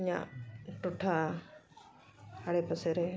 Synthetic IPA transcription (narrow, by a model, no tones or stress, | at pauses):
ɲã̰ʈʊʈʰa | aɽepəseɾe